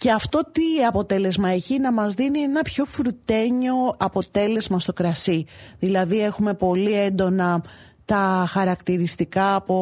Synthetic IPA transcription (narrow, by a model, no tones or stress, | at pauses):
ceɐft̪o̞t̪iɐpo̞t̪e̞le̞zmɐe̞çinɐmɐzðinienɐpço̞fɾut̪e̞ɲo̞ɐpo̞t̪e̞le̞zmɐst̪o̞kɾɐsiðilɐðie̞xume̞po̞lie̞nd̪o̞nɐ | t̪ɐxɐɾɐkt̪iɾist̪ikɐːpo̞